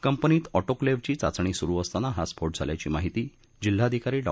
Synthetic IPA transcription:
kəmpəniːt̪ɔʈokleʋt͡ɕiːt͡sa̰t͡sɳ̃iːsuɾuːəst̪anaɦaspʰoʈ̚d͡zʱa̰lja̰t͡ɕiːmaɦit̪iː | d͡ʑil̤ːaəd̪ʱikaɾiːɖa̰

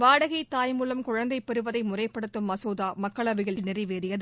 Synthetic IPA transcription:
ʋaːɽɐɣɐɪt̪ːaːjmuːlɐmkʊɻɐnd̪ɐɪpːɛɾɯʋɐðɐɪmʊrɐɪpːɐɽɯt̪ːɯmːɐsoːðaːmɐkːɐɭɐʋɪɣɐɭnɪrɪʋeːɾɪjɐðɯ

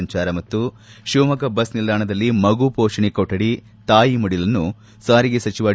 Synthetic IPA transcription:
ɲt͡ʃaːɾɐmɐt̪ːu | ʃuʋmɐkɐbɐsnilːaːɳɐd̪ɐlːimɐɡupɔːʂɐɳikoʈɐɽi | t̪aːjimɐɽilɐnːu | saːɾiɡesɐt͡ʃiʋaː

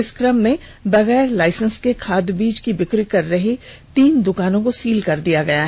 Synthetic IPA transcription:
ɪskɾəmːẽ | bɐɣɛːɾlaːɪsə̃nskekʰaːd̪biːd͡ʒkibɪkɾikɐɾːɐɦe | t̪iːnd̪ʊkaːnõkosiːlkɐɾd̪ijaɡɐjaɦ

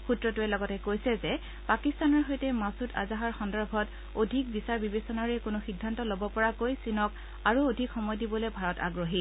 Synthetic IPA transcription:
xutɹɔtuɛlɔɡɔtɛkojsɛzɛ | pakistanɔɹɦojtɛmasuta̰zaɦaɹxɔndɔɹbʱɔt | odʱik̚bisaɹbibesɔnaɹɛkʊnʊxidʱːantɔlobɔpɔɹakojsinɔk | aɹuodʱikxɔmɔjdibɔlejbʱaɹɔta̰ɡɹoɦi

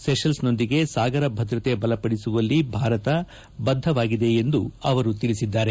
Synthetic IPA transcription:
seʃɐlsno̞nd̪iɡe̞saːɡɐɾɐbʱɐd̪ɾɐt̪e̞bɐlɐpɐɽisuʋɐlːibʱaːɾɐt̪ɐ | bɐd̪ʱːɐʋaːɡid̪e̞ːnd̪uɐʋɐɾut̪iɭisid̪ːaːɾe

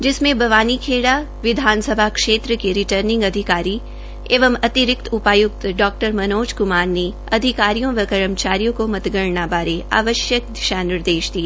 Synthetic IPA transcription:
d͡ʒɪsmẽbʱɐʋaːnikʰeːɽa | ʋɪd̪ʱaːnsəbʱakʃeːt̪ɾəkeɾɪʈəɾnɪ̃ŋɡɐd̪ʱɪkaːɾi | eːʋəmɐt̪ɪɾɪk̚t̪ʰʊpaːjʊk̚t̪ɖɔːk̚ʈəɾmɐnoːd͡ʒkʊmaːɾne | ɐd̪ʱɪkaːɾijõʋɐkɐɾəmt͡ʃaːɾijõkomɐt̪ɡəɾɳabaːɾea̰ːʋəʃjək̚d̪ɪʃaːnɪɾd̪eːʃd̪ieː

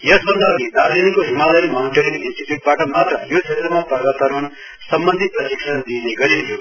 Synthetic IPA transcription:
jʌsbʌnd̪ʌid̪aɾd̪inikoɦimalʌnmaniʈeɾiŋinsʈiʈjuʈ̚baʈʌmat̪rʌjot͡ʃʰet̪rʌmapʌrɡat̪ʌɾmon | sʌmbʌnd̪ʱiprʌtiksʌnd̪iːneɡʌɾinjʰo

